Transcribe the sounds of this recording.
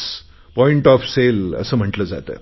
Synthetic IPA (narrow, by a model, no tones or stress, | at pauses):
s | pɔiɳʈɔfselə̰səːm̤əʈləːd͡za̰t̪ə̰ː